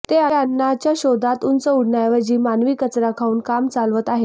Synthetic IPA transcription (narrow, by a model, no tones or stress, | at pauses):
t̪eəanːat͡ɕjaɕod̪ʱat̪unt͡səuɽ̤najʋəd͡ʑiːmanʋiːkət͡sɾakʰauːnkamt͡salʋət̪aɦe